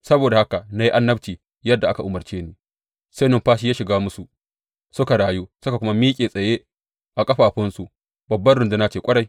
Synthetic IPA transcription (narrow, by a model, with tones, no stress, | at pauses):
sɐ˦boː˨da˨ha˦ka˨na˦ji˦ʔa˦nːɐ˦bt͡ʃiː˨ | jɐ˦dːa˨ʔa˦ka˨ʔʊ˨mɐ˨rt͡ʃeː˦niː˦ | sa˦nɪ˦mɸaː˦ʃ̬i˦jaː˦ʃɪ˨ɡaː˦mʊ˦su˨ | sʊ˦ka˨ɽaː˨ju˦sʊ˦ka˨kʷʊ˦ma˦miː˦kʲʼeː˨sʼɐ˨jeː˦ | ʔa˨kʼɐ˦ɸaː˨ɸʊ˦nsu˨ʔ | bɐ˨bːɐ˦nɽʊ˨ndu˦na˦t͡ʃeː˨kʷʼɐ˦ɽa˨j